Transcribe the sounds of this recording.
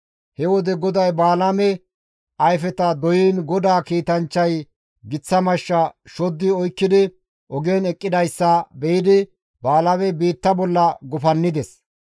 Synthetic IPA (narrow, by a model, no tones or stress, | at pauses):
hɛwɔd̪ɛɡɔd̪ɐjbaːlɐmɛ | ʔɐjfɛt̪ɐd̪ɔjiːnɡɔd̪aːkiːt̪ɐnt͡ʃːɐj | ɡɪt͡sːɐmɐʃːɐʃɔd̪ːɪɔjkːɪd̪ɪ | ʔɔɡɛnɛkʼːɪd̪ɐjsːɐbɛjɪd̪ɪ | baːlɐmɛbiːt̪ːɐbɔlːɐɡɔfɐnːɪd̪ɛs